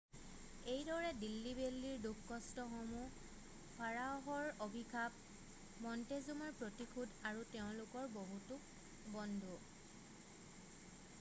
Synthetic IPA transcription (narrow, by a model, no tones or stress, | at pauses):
ejdɔɹɛdilːibelːiɹdukːɔstɔxɔmu | pʰaɹaɦɔɹobʱikʰab̚ | mɔntezumaɹpɹotikʰudaɹuteʊ̃lʊkɔɹboɦutʊk | bɔndʱu